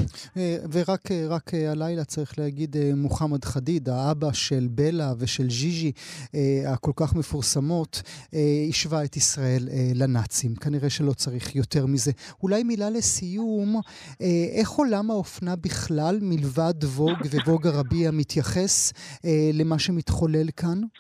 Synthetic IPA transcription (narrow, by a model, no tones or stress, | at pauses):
eveʁakʰeʁakʰealajlat͡saʁiχleaɡid̪emuχamad̪χadid̪aabaʃe̞lbe̞lave̞ʃe̞lʒiʒieako̞lkaχme̞fuʁsamo̞t̪eiʃvaet̪isʁae̞leːanat͡simkaniʁe̞ʃelo̞t͡saʁiχjo̞t̪e̞ʁmize̞ | ulajmilale̞sijum | eʔe̞χo̞lamaofnabiχlalmilvad̪vo̞ɡvevo̞ɡaʁabiamit̪jaχe̞selemaʃemitχo̞le̞lkan